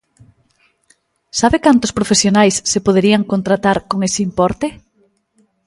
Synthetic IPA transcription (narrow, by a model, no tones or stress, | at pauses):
saβekant̪ʊspɾofesjonajsːepoð̞eɾiaŋkont̪ɾat̪aɾkoŋesɪimpɔɾt̪e